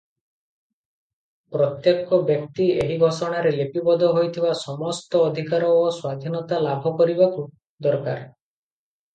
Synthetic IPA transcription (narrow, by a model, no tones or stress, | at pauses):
pɾɔt̪jekɔbjɔkt̪ieɦiɡʱɔsɔɽ̃aɾelepibɔd̪ʱɔɦojt̪ʰibasɔmɔst̪ɔːd̪ʱikaɾɔːswad̪ʱinɔt̪alabʱɔkɔɾibaku | d̪ɔɾka̰ɾ